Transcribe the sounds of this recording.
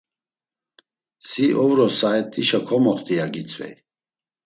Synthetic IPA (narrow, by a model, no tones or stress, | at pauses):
siʔɔvɾɔsaɛt̪ʼːiʃakʰɔmɔχt̪ʼiaɡit͡sʼvɛ̰j